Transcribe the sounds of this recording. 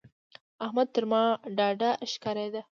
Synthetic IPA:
ahmad̪̚t̪əɾmɑɖɑɖaʃkɑɾad̪a

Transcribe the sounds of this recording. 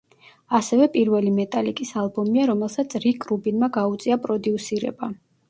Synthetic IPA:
asɛvɛpʼiɾvɛlimɛt̪ʼalikʼisalˠbɔmiaɾɔmɛlˠsat̪sʰɾikʼɾubinmaɡaut̪sʼiapʼɾɔd̪iusiɾɛ̰ba

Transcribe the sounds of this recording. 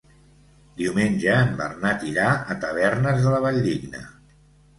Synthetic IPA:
d̪iumenʲʒəːmbə̰rnat̪iɾaət̪əβ̞ɛɾnəzðələβəʎd̪iɡnə̰

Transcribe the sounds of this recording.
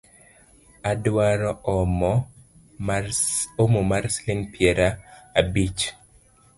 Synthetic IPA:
adwaɾɔɔmɔ | omomaɾslinpʰjɛɾaːbit͡ʃ

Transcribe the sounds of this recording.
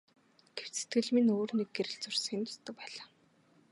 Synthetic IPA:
ɡ̥ew̥t͡ɕset̪̚ɡɘ̆ɮminoːrnek̚ɡeɾɘ̆ɮt͡sʊr̥sə̆ŋent̪ʊ̥st̪ə̆k̚pæːɮaː

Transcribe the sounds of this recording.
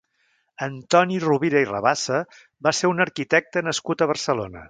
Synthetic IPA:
ənt̪ɔniruβiɾəirə̰βasə | baseunəɾkit̪ɛk̚t̪ənəskut̪əβ̞əɾsəlonə̰

